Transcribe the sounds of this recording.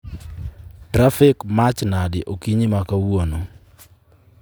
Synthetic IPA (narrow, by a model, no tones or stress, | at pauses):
tɾafɪkmat͡ʃnadɪʔokiɲimakawono